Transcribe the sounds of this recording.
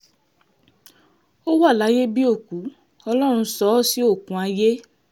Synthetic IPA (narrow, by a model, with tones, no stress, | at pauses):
o˦wa˦˨la˨˦je˦bi˦o˦˨ku˨˦ | ɔ˧lɔ˦ɾ̃ũ˧sɔ˨˦si˦o˦˨kũ˨a˧je˦